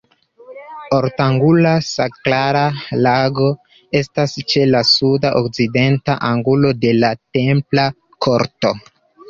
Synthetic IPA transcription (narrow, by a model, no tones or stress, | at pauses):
oɾtaŋɡulasaklaɾalaɡo̞ | e̞stast͡ʃe̞lasudaʔokt͡side̞ntaʔaŋɡulo̞de̞late̞mpla | kʰo̞ɾto̞